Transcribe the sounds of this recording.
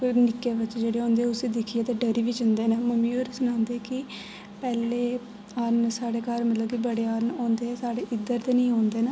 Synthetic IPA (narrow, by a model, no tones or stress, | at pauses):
konɪkːeːʋɪt͡ʃd͡ʒeːɽeːɦõːnd̪eːʊsẽːd̪ɪkʰieːt̪eːɖəɾiːʋiːd͡ʒənd̪eːnaːməmĩːoːɾsʊnãːnd̪eːkɪ | pɛːleː | əɾnsaːɽeːkaːɾmət̪ləbkibəɽeːaɾnɔːnd̪eːɛːsaːɽeːʔɪd̪əɾt̪eːnĩːɦɔːnd̪eːnaː